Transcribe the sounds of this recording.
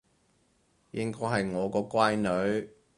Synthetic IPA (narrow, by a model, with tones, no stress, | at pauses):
jɪ˥ŋkɔː˥jɦɐ˨jŋɔː˨˧kɔː˧kʷwaː˥jnɵ˨˧˥ɥ